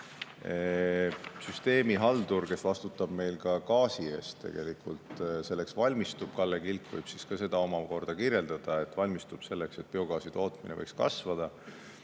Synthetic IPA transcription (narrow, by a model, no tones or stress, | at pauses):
e | syst̪e̞ːmiɦɑld̪urke̞svɑst̪ut̪ːˑɑb̥me̞jlkɑkɑːsie̞ːst̪ːe̞̰ɡ̥e̞likult̪se̞lːeksvɑlʲmist̪ub̥̚kɑlːekilkvɯ̰jb̥siskɑse̞d̪̥ɑo̞mɑko̞rd̪̥ɑkiɾje̞ld̪̥ɑd̪̥ɑe̞t̪ːˑvɑlʲmist̪ub̥se̞lːe̞kse̞t̪̚peo̞ɡɑːsit̪o̞ːt̪minevɤ̰jkskɑ̰svɑd̪̥ɑ